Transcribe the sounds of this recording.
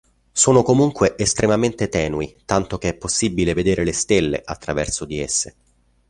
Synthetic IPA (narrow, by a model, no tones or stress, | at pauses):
soːnokomuŋkweʔest̪ɾʔemament̪et̪ɛːnuit̪ant̪ok̟eɛpːosːibːileved̪eːɾelest̪elːḛʔat̪ːɾavɛrsod̪iesːe